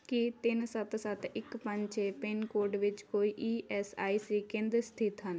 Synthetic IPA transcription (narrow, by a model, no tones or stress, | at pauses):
kit̪ɪnsət̪sət̪ɪkpə̃ɲt͡ʃeːpenkoːɾɖʋɪt͡ʃkoːiːʔiːɛsa̰ːiːsiːkẽːnd̪ɾst̪ʰɪt̪ɦən